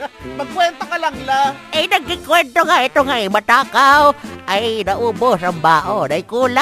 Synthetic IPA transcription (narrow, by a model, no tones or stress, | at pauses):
mɐɡ̚kwɛnt̪okalaŋlaʔɛjnɐɡːɪŋkwɛnt̪oŋaʔɛt̪oŋamɐt̪aːkawʔajnɐʔuːbosambaːʔonajkuːla